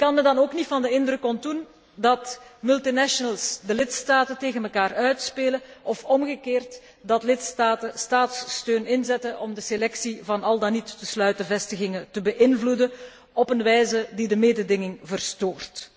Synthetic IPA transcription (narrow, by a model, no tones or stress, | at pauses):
kɑnməndɑnoːknitfɑndəɪndrɵkɔntun | dɑtmʏlˠtinɛʃənəlˠsdəlɪtstaːtənteːɣənməlkaːrœɥtspeːləɔfɔmɣəkeːrt | dɑtlɪtstaːtəstaːtstøːnɪnzɛtənɔmdəselɛksivɑnɑlˠdanitːəslœɥtəvɛstəɣɪŋətəbəʔɪnvludən | ɔpənʋɛjzədidəmeːdədɪŋɪŋvərstoːrt